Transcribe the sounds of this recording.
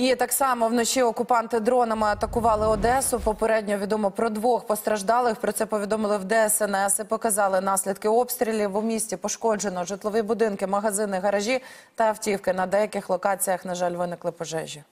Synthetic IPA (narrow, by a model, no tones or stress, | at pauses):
it̪ɑksɑmɔwnɔt͡ʃiɔkʊpɑnt̪ɪd̪ɾɔnɐmɪɐt̪ɐkʊʋɑlˠɪɔd̪ɛsʊpɔpeɾɛdʲnʲɔʋʲid̪ɔmɔpɾɔd̪ʋɔxpɔst̪ɾɐʒd̪ɑlˠɪxpɾɔt̪sɛpɔʋʲid̪ɔmɪlˠɪwd̪ɛɛsɛnɛsɪpɔkɐzɑlˠɪnɑsʲlʲid̪̚kɪɔpst̪ɾʲilʲiʋʊmʲisʲtʲipɔʃkɔd͡ʒenɔʒɪt̪lˠɔʋibʊd̪ɪnkɪmɐɦɐzɪnɪɦɐɾɐʒʲi | t̪ɐɐwtʲiwkɪnɐd̪ɛjɐkɪxlˠɔkɑt͡sʲijɐxnɐʒɑlʲʋɪnɪklˠɪpɔʒɛ̰ʒʲːi